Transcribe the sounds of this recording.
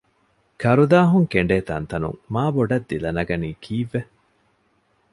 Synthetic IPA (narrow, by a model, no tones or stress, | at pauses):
kɐɾud̪aːɦuŋkeɳɖeːt̪ɐ̰nt̪ɐnṵŋmaːboɖɐd̪ːilɐnɐɡɐniːkʰiːʋːe